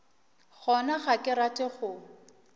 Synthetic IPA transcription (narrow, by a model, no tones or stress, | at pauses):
χɔnaχakʼɪɾatʼɪχʊ